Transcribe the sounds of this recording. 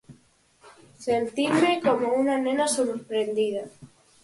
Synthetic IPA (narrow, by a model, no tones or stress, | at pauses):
sent̪iɾmekomounanenasoɾɾpɾend̪ið̞a